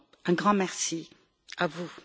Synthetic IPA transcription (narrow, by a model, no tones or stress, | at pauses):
ɛ̃ɡʁɑ̃mɛʁsi | avu